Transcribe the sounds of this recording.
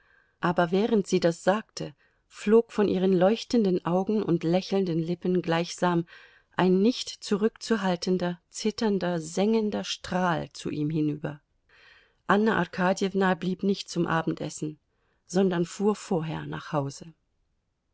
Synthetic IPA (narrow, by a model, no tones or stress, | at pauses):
ʔaːbɐvɛːʁəntz̥iːdasz̥aːktʰə | floːkfɔnʔiːʁ̞ənlɔʏçtəndənʔaʊɡŋ̩ʊ̰ntlɛçl̩ndənlɪpənɡlaɪçz̥aːm | ʔaɪnːɪçtt͡suʁʏkt͡suɦaltəndɐt͡sɪtʰɐndɐzɛŋəndɐʃtʁ̥aːlt͡sṵʔiːmɦɪnyːbɐ̰ | ʔanːaʔa̰ʁkʰaːdjɛvnabliːpnɪçt̚t͡sʊmʔa̰ːbm̩tʔɛ̰sn̩ | z̥ɔndɐnfuːɐfoːɐɦeːɐna̰ːχhaʊzə